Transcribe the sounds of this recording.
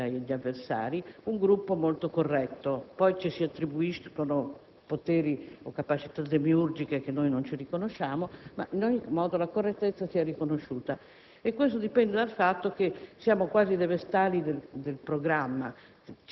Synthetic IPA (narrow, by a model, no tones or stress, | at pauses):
aʎːiavːersa̰ːɾiuŋɡɾupːomolt̪okorːɛt̪ːopɔjt͡ʃisiat̪ːɾibuiskono | pot̪ɛːɾiokːapat͡ʃit̪ad̪emiurd͡ʒikek̟enːojnont͡ʃirikonoʃːaːmoma̰ʔinɔɲːimɔːd̪olakorːet̪ːet̪sːasiarikonoʃːuːt̪a | ekːwes̬t̪od̪ipɛnd̪ed̪alfat̪ːok̟esjaːmokwaːzid̪evest̪aːlid̪eld̪elpɾoɡɾamːa